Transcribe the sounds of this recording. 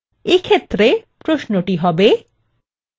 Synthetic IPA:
ekʰet̪ːɾepɾoʃnoʈiɦɔbe

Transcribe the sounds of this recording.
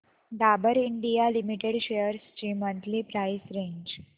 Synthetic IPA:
ɖabəɾiɳɖijalimiʈeɽɕejəɾst͡ɕiːmə̃nt̪lipɾaisɾeɲd͡ʑ

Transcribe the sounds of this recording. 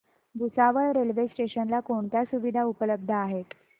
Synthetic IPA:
bʱusaʋəɭɾelʋesʈeɕənlakoɳt̪jasuʋid̪ʱaupələb̚d̪ʱəaɦet̪

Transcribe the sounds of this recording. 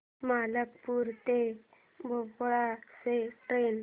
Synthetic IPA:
maləkpuɾt̪e | bʱopɭaseʈɾen

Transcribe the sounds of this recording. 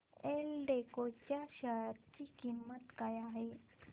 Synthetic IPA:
elɖekot͡ɕjaɕajɾt͡ɕikimːət̪kajaɦe

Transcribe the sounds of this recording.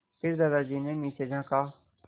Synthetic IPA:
pɪɾd̪ad̪aːd͡ʒiːnẽːmĩːt͡ʃed͡ʒãːkaː

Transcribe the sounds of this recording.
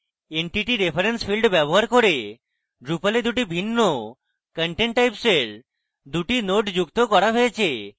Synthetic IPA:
eɳʈiʈiɾepʰaɾenspʰilɖbɛboɦaɾkoɾe | ɖɾupaled̪uʈibʱinːo | kəɳʈeɳʈːajpseɾ | d̪uʈinoʈd͡ʑukt̪okɔɾaɦojet͡ɕʰe

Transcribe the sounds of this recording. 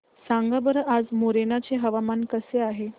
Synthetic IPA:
sãŋɡabəɾad͡zmoɾenat͡seɦəʋamankəseaɦe

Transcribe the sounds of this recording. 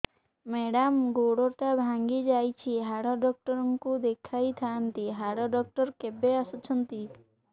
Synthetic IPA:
meɽamɡoɽoʈabʱaŋɡid͡ʒajt͡ʃʰiɦaɽɔɖɔk̚ʈɔɾɔŋkud̪ekʰajt̪ʰant̪iɦaɽɔɖɔk̚ʈɔɾkebeasɔt͡ʃʰɔnt̪i

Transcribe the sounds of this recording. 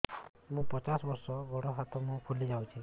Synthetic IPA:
mũpɔt͡ʃasbɔɾsɔɡʱɔɽɔɦat̪ɔmũkʰulid͡ʒawt͡ʃʰi

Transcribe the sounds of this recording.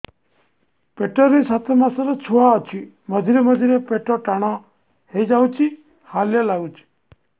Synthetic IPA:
peʈɔɾisat̪ʰemasɔɾɔt͡ʃʰuaɔt͡ʃʰi | mɔd̪ʱiɾemɔd̪ʱiɾepeʈɔʈaɽ̃ɔ | hejd͡ʒawt͡ʃʰi | haljɔlaɡut͡ʃʰi̥

